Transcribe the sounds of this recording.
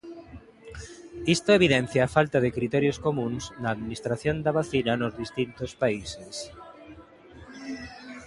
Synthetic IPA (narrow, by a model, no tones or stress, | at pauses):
ist̪oeβ̞iðɛn̟θjaːfalt̪aðekɾit̪ɛɾjoskomũnsnaːðminist̪ɾaθjond̪aβaθinanozðist̪int̪ospaises